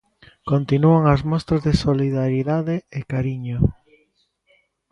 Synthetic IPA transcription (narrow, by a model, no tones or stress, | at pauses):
kont̪inuaŋɐzmɔst̪ɾɐzðesoliðaɾiðaðeekaɾiɲo